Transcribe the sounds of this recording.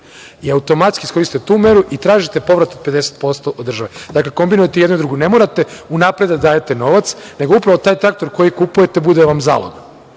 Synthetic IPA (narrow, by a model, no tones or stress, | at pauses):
iaut̪o̞mat̪skisko̞ɾist̪it̪et̪uːme̞ɾuʔit̪ɾaːʒit̪e̞po̞ʋɾat̪od̪pe̞d̪e̞set̪̚po̞st̪o̞ʔod̪ːɾrʒaʋed̪akle̞ko̞mbinujet̪eje̞d̪nuid̪ɾuɡune̞moɾat̪e̞unapɾe̞d̪ad̪aːjet̪e̞no̞ʋat̪sne̞ɡo̞upɾaʋo̞t̪aːjt̪ɾak̚t̪o̞ɾko̞jikupuje̞t̪e̞bud̪eʋamza̰lo̰ɡa